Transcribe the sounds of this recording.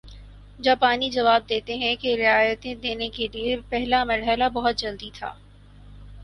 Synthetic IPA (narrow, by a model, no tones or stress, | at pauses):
d͡ʒaːpaːnid͡ʒɐʋaːb̚d̪eːt̪eɦɛ̃keɾɪaːjət̪ẽd̪eːnekeliepɛɦlamɐɾɦəlabɐɦʊt̪̚d͡ʒɐld̪it̪ʰa̰ː